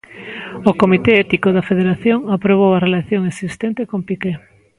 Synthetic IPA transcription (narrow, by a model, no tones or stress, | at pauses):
okomit̪eɛt̪ikoðɐfeðeɾaθjoŋapɾoβ̞owɐrelaθjoŋesist̪ent̪ekompike